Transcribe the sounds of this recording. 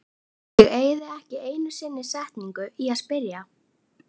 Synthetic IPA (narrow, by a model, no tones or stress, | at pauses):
jɛɣeːjðɪɛhcɪeːjnʏsɪnːɪsɛht̪niŋkʏiaðspɪɾja